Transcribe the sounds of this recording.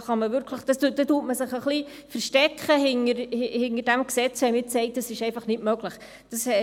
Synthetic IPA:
χɑməvʏɾkʰləχd̥ɑstud̥̪ɛtuːtməsɪχəχli | fəɾʃtɛkχəɦɪnəɾhɪhɪnəd̥æmksɛt͡shɛmɪsɛɪt̚d̥ɑsɪʃɛɪfɑχnɪtmœɡləχ | d̥ɑsɛ

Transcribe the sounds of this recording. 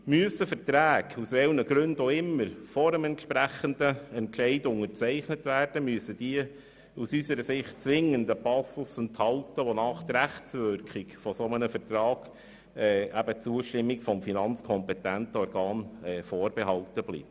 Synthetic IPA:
myəsəfəɾtɾæːɡusʋɛlnəɡɾɵndoɪmːəɾfɔɾəmɛntʃpɾæχəndəɛntʃɛɪdʊŋəɾt͡sɛɪχnətʋæːrd̥əmyəsəd̥iə | usysəɾəsɪχtt͡sʋɪŋəndəpɑsl̩sənt̪hɑltəʋonɑːχt̪əɾæχt͡sʋʏɾkχɪkfɔsɔmənəfəɾtɾɑːɡ̥ | ɛʔæbət͡suəʃtɪmːikfɔmfinɑnt͡skʰɔmpɛt̪æntɔɾɡɑːnɛːfoːɾbɛɦɑltəb̥lḭb̚

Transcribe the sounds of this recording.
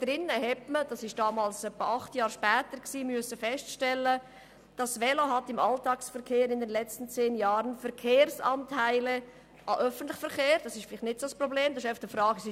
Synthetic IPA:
d̥ɾɪnːəhɛtməd̥ɑsɪʃd̥ɑːmɑːlsœpːəʔɑχtjɑːɾʃpɛːtəɾksiːmyəsəfɛstʃtɛlːə | d̥ɑsʋɛloɦɑtɪmɑltɑːksfəɾkʰeːɾɪndɛnlɛt͡stən̩t͡seːnjɑːɾənfəɾkʰeːɾsɑntʰaɪlɛ | ʔɑʔœfən̩t̪lɪχfəɾχeːɾd̥ɑsɪʃfɪlɪχnɪtsoːsprobleːmdɑsɪʃɛfχd̥əfɾɑːɡsɪ

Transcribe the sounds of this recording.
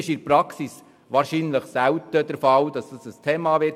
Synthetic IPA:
ɪʃɪɾpɾɑksis | ʋɑːɾʃiːnləχsæwtəd̥əɾfɑld̥ɑsd̥ɑsəstʰɛːmɑːʋɪ

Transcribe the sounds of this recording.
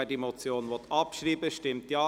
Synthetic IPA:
ɛdimot͡sjoːnʋɔt̪ʰɑpʃɾiːbəʃtɪmt̪jɑː

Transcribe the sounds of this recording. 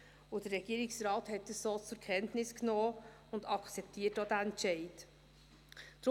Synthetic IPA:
ʊd̥əːɛɡ̥iəɾɪksɾɑːthɛt̚dəssoːt͡sʊɾkʰɛntnɪsknoː | ʊndɑkt͡sɛp̚tʰiːətodæɛntt͡ʃɛɪt | d̪̥ɾ

